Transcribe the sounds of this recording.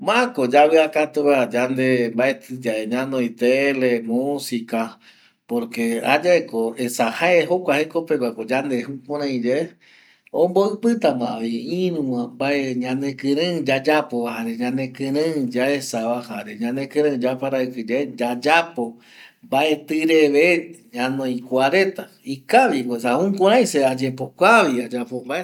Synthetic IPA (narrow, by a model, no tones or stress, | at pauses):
mãkod͡ʒaβeakat̪uβad͡ʒand̪embaet̪ɨd͡ʒaeɲãnõit̪elemusika | poɾkea̰d͡ʒaekoesahaeɦokʷahekopeɡʷwakod͡ʒand̪ehupõɾãĩd͡ʒe | õmboɨpɨt̪amãβiĩɾũwãbaeɲãnekɨ̃ɾɨ̃d͡ʒad͡ʒapoβahaɾeɲãnẽkɨ̃ɾɨ̃d͡ʒaesaβahaɾeɲãnẽkɨ̃ɾɨ̃d͡ʒapaɾaɨkɨd͡ʒed͡ʒad͡ʒapo̞ | mbae̞t̪ɨɾeβeɲãnõĩkʷaɾẽ̞t̪a | ikaʋiwesahũkʷõɾ̃ãj̃sead͡ʒepokʷaβiad͡ʒapombae